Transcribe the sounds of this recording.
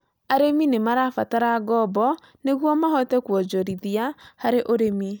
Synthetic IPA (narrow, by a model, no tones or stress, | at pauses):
aɾeminemaɾafataɾaɡɔbɔ | neɣwɔmaɦɔtɛkwɔd͡ʒɔɾiðiahaɾeʔoɾemi